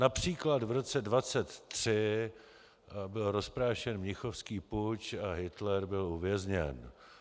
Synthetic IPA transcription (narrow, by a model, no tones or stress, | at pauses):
napr̝̥iːklad̪vɾo̞t͡sɛdvat͡sɛt̪ːr̝̥ɪ | bɪlɾo̞spɾaːʃɛnmɲɪxofskiːput͡ʃaɦɪt̪lɛɾbɪluvjɛzɲɛ̰n